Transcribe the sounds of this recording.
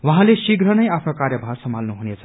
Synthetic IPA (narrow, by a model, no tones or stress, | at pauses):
wʌɦãlesiɡɾʌnʌjapʰnokarjʌbʱarsʌmalnuɦunet͡sʰʌ̥